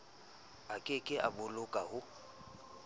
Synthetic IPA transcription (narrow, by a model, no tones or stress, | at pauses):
akʼɪkʼɪʔabʊlʊkʼahʊ